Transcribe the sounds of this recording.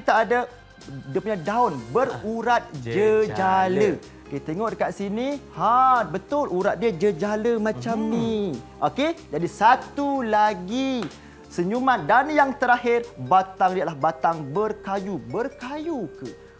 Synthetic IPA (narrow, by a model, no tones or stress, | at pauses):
kit̪aʔːda | diapuɲadaʊnbəruɾat̪̚d͡ʒəd͡ʒalə | oket̪eŋɔʔdəkaʔsinihabət̪ʊluɾat̪̚diəd͡ʒəd͡ʒaləmãt͡ʃamniʔoked͡ʒadisat̪ulaɡi | səɲumat̪̚danjaŋt̪əɾaɦɪrbat̪aŋdiaʔlahbat̪aŋbərkajubərkajukə